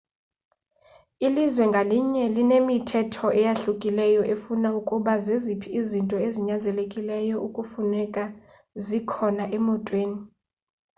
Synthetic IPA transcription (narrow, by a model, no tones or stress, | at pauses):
ilizwɛŋɡʱaliɲɛlinemitʰɛtʰɔʔɛjaɬukʼilɛjɔʔefunaukʼuɓazezipʰiizintʼɔeziɲand͡zʱɛlekʼilɛjɔʔukʼufunɛkʼa | zikʰɔnaʔɛmɔtʼweːni